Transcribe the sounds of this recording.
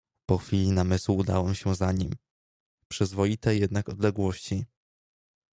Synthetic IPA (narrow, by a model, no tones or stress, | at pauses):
pɔxfʲilʲinamɘswud̪a̰wɛmɕɛzaɲim | pʂɘzvɔjit̪ɛjɛd̪nakɔd̪lɛɡwɔɕt͡ɕi